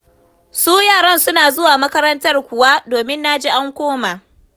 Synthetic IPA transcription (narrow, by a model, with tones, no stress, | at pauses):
suː˦jaː˦˨ɽɐ˦nsʊ˦naː˨zʊ˦waː˨mɐ˦kɐ˦ɾɐ˦ntɐ˦rkʷʊ˨wa˦doː˨mɪ˦nːa˦d͡ʒiː˦ʔa˦ŋkʷoː˦maː˨